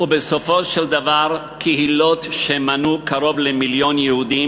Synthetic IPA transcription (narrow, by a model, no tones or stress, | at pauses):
ubeso̞fo̞ʃeld̪avaʁ | kʰehilo̞t̪ʃemanukaʁo̞vlemiljo̞njehud̪i